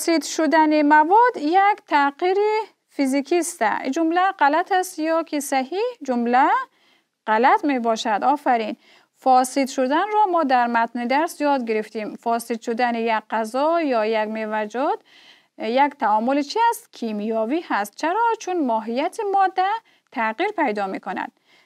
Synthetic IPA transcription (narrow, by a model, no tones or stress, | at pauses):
sid̪ʃud̪animavɔd̪jakt̪ʰaqiɾi | fizikʰist̪a̰d͡ʒumlaʁalat̪ʰast̪jɔkʰisaɦid͡ʒumla | ʁ̥alat̪mebɔʃad̪ɔfaɾin | fɔsid̪ʃud̪anɾɔmɔd̪aɾmat̪nid̪aɾsjɔd̪ɡiɾift̪imfɔːsid̪ʃud̪anijakqːazɔjɔːjaɡmevad͡ʒɔd̪̥ | jakt̪ʰaɔːmulit͡ʃʰiæst̪kʰimijɔːvihast̪̚t͡ʃʰaɾɔt͡ʃʰunmɔːɦijat̪ʰimɔd̪ːa | t̪ʰaqiɾpʰajd̪ɔːmikʰʊna̰d̪̥̚